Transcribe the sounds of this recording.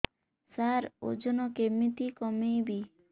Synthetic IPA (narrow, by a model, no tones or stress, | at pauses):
saɾo̰d͡ʒɔnɔkemit̪ikɔmejbi